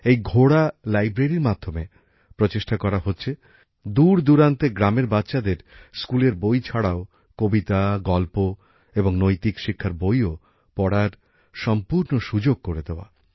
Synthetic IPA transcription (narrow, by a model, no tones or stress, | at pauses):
ejɡʱoɽalajbɾeɾiɾmad̪ʱːome | pɾot͡ɕeʃʈakɔɾaɦotːɕʰe | d̪uɾd̪uɾant̪eɡɾameɾbatːɕad̪eɾskuleɾbojt͡ɕʰaɽao | kobit̪aɡɔlpo | eboŋnojt̪ikʃikʰːaɾbojo | pɔɽaɾ | ʃɔmpuɾnoʃud͡ʑoɡ̚koɾed̪eoa̰